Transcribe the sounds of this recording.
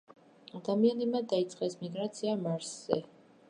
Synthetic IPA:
ad̪amianimad̪ait̪sʼqʼɛsmiɡɾat̪sʰiamaɾsz̥ɛ̰

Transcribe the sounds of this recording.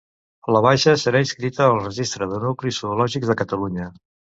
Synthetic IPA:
ləβ̞ajʃəsəɾainskɾit̪əːlˠrəʒist̪ɾəðənuklisuulɔʒikzðəkət̪əluɲə

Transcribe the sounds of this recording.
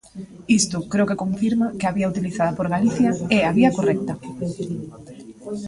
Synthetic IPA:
ist̪ʊkɾewkekõɱfiɾmakeaβiaut̪iliθaðɐpoɾɣaliθjaeaβiɐkorɛk̚t̪ɐ

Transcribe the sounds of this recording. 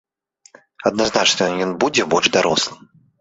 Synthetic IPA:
ɐd̪̚naznat͡ʂnɐjɔnbud͡zʲɛbɔlʐd̪aɾɔslˠɨm

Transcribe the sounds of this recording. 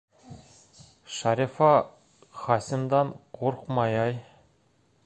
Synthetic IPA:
ʃɑɾʲifɑ | χɑsʲɪ̆md̪ɑɴqʰoɾqmɑjɑj

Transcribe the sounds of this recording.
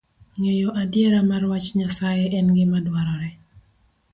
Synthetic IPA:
ŋejɔʔadjɛɾamarwat͡ʃɲasajeʔɛnɡɪmadwaɾɔɾɛ

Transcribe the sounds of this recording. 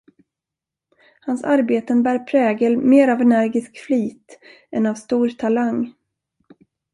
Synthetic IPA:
hansaɾbeːt̪ənbæːɾpʰɾɛːɡəlmeːɾavɛnæɾɡɪskfliːt̪ | ɛnavst̪uːɾt̪ʰalaŋ

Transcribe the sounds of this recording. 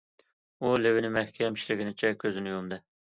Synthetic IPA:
ulɪwɪnɪmɛhkʲʰɛmiʃlɪɡʲinɪt͡ʃʰɛkʲʰøzɪnɪjond̪ɨ

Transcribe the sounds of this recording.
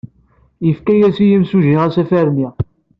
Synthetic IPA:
jəfkæjæsijəmsuʒiʁæsæfæɾni

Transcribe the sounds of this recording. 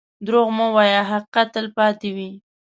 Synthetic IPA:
d̪ɾoɣmowɑjɑɦaqat̪ːəlpɑt̪ewi

